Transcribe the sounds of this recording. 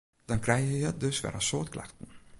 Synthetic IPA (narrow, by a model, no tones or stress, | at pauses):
d̥ɑnkrɛjjəjət̚dɵsfɛ̰ɾəsoːtkla̰xtən̩